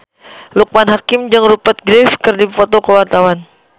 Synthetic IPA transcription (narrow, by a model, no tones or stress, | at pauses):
luk̚manɦakɪmd͡ʒaŋrupat̪̚ɡɾɛfkɨrdifot̪okəwart̪awan